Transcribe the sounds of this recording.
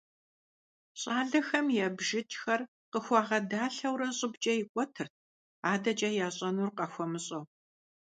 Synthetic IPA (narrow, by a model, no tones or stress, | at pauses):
ɕʼaːɮɐxɐmjɛbʒɪt͡ʃʼxɐr | qəxʷɑːʁɐdaːɬɐwɾɐɕʼɪbt͡ʃʼɐjɪkʷʼɔtʰɨrt̚ʰ | aːdɐt͡ʃʼɐjaːɕʼɐnurqɐxʷɔmɨɕʼɐw